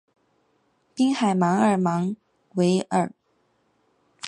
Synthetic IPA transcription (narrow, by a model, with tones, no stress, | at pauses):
pi˥ŋxa˨˩ɪmɑ˧˥ŋə˞˨˩mɑ˧˥ŋ | we˧˥ɪʔə̰˞˨˩